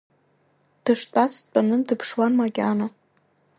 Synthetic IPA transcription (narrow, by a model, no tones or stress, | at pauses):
d̥ɨʂtʷʼat͡sʰʼt͡pʷʼanɨmdɨpʰʂwanmaɡʲana